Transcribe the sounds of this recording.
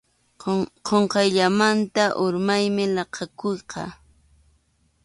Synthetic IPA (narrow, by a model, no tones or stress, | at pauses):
qoɴqɑjʎamant̪aʔʊɾmajmɪlɑqɑkojqɑ